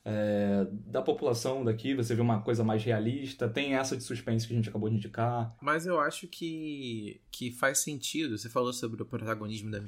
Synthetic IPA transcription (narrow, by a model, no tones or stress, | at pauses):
ɛd̪ɐpopulasɐ̃w̃d̪akivoseveũmɐkojzɐmajzhealiʃt̪ɐt̪ẽj̃ɛsɐd͡ʒɪsuʃpẽs̬ʊkʲɪɐʒẽnt͡ʃakabowd͡ʒɪĩd͡ʒikamɐzewaʃʊkʰɪ | kʰɪfajsẽnt͡ʃid̪ʊsefalosobɾɪʊpɾot̪aɡoniʒmʊd̪ɐm